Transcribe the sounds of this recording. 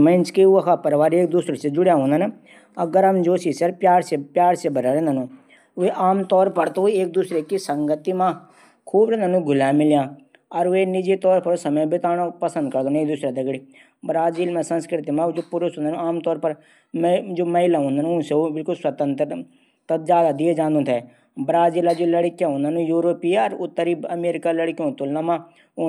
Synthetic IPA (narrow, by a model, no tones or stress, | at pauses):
mɛ̃ːɪnt͡ʃkeʊakʰaːpəɾʋaːɾeːk̚d̪uːsɾet͡ʃed͡ʒʊɽjaːɦõːnd̪aːne | əɡəɾəmd͡ʒoːsiːsəɾpjaːɾsepjaːɾsebəɾaːɾẽːnd̪aːnũː | ʋeːʔaːmt̪ɔːɾpəɾt̪oeːk̚d̪uːsɾeːkisəŋɡət̪imãː | kʰuːbɾɛ̃ːnd̪aːnũːɡʊlãːmɪljãː | ɔɾʋeːnɪd͡ʒeːt̪ɔːɾpəɾoːsəməbɪt̪aːɽoːpəsə̃nd̪kəɾd̪oːneːk̚d̪uːsɾaːt̪eɡɽiː | bɾaːziːlmɛ̃ːsə̃nskɾɪt̪imãd͡ʒoːpʊɾʊsɦʊ̃ːnd̪aːnũaːmt̪ɔːɾpəɾ | mɛ̃d͡ʒoːməɦɪlãːɦõːnd̪aːnũʊ̃seobɪlkʊlswət̪ə̃nt̪ɾ | t̪əd͡ʒaːd̪ad̪ɪed͡ʒãːnd̪õːt̪ʰɛː | bɾaːziːlaːd͡ʒoːləɽkijãːɦõːnd̪aːnũːjuːɾoːpiːaɾʊt̪ːəɾiəmeːɾɪkaːləɽkiõnt̪olnãmãː